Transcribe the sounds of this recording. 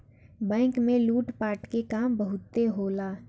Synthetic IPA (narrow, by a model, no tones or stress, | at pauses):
bɛ̃ːŋkmẽluːʈpaːɾʈkekaːmbɐɦʊt̪ːeɦoːlaː